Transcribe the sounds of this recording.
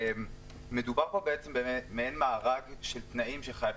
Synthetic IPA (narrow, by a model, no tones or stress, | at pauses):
m | me̞dubaʁpo̞beet͡sembemeenmaːʁaɡʃelt̪naʔimʃeχajav